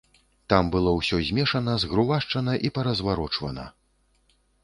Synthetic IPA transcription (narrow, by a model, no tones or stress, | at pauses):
t̪ambɨlˠɔwsʲɔzʲmʲɛʂɐnɐzɣɾuvaʂt͡ʂɐnɐʔipɐɾɐzvaɾɔt͡ʂvɐ̰nɐ̰